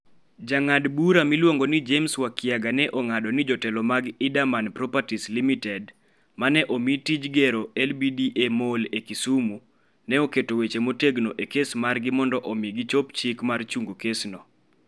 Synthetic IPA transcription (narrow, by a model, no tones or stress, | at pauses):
d͡ʒaŋadbuɾamilwoŋɡonid͡ʒemswakjaɡanɛʔoŋadɔnɪd͡ʒɔtɛlɔmaɡɪdamanpɾɔpatislimitɛd | manɛʔomitid͡ʒɡɛɾoɛlbidiʔemolekisumu | nɛoketowet͡ʃemoteɡnoʔekesmarɡɪmɔndɔʔɔmiɡit͡ʃopt͡ʃikmart͡ʃuŋɡokesnɔ